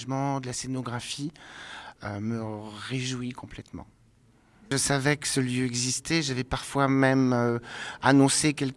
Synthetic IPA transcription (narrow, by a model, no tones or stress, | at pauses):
ʒmɑ̃d̪əlasenɔɡʁafi | øməʁeʒwikʰɔ̃plɛt̪mɑ̰̃ | ʒəsavɛkə̥səljøɛɡzist̪ɛʒavɛpaʁfwamɛmøa̰nɔ̃sekʲɛlk